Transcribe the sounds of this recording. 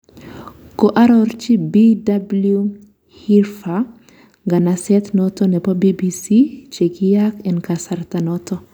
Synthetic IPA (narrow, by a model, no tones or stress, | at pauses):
koʔaɾɔrt͡ʃibidablu | hirfa | ɡanasɛt̪nɔt̪ɔnɛpɔbibisit͡ʃeɡijakɛnkasart̪anɔt̪ɔ